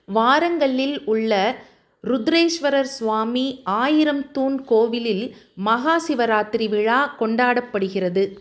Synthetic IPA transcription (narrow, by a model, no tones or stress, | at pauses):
ʋaːɾɐŋɡɐɭɪlʊɭːɐ | ɾʊd̪ɾeːʂʋɐɾɐɾsʋaːmiaːjɪɾɐmt̪uːnkoːʋɪlɪlmɐɣaːsɪʋɐɾaːt̪ɪɾiʋɪɻaːkɔɳɖaːɽɐpːɐɽɯɣɪrɐðɯ